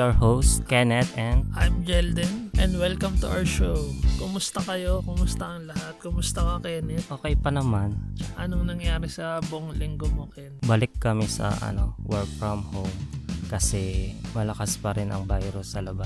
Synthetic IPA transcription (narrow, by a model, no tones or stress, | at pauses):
ɐɹhows̚kɛnɛt̪ɛnd̪̚ʔajmd͡ʒɛld̪ɪŋʔɛ̃nd̪wɛlkɐmt̪ʊʔawəʃowkʊmʊst̪ɐkɐjokʊmʊst̪ɐʔɐŋlɐɦat̪̚kʊmʊst̪ɐkɐkɛnɪʔoːkɛjpɐnɐmant͡ʃɐŋʔɐnoŋnɐŋjaːɾɛsɐboʔoŋlɪŋɡomukɛnbɐlɪkːɐmɛsɐ̰ʔɐ̰no̞̰wɛɹk̚fɹɐmhowmkɐsɛmɐlɐkaspɐɾɪnʔɐ̰ŋbajɾʊsːɐlɐba